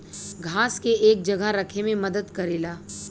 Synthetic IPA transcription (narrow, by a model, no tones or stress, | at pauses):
ɡʱaːskeʔeːk̚d͡ʒɐɡaɾɐkʰemẽmɐd̪əd̪kɐɾiːlaː